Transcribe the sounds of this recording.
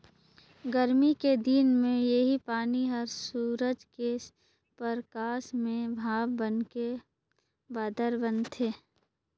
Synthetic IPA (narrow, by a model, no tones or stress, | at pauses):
ɡəɾmiked̪iːnmẽjeɦipaːniɦəɾsuːɾəd͡ʒke | pəɾkaːsmẽbʱaːʋbənke | baːd̪əɾbənt̪ʰeː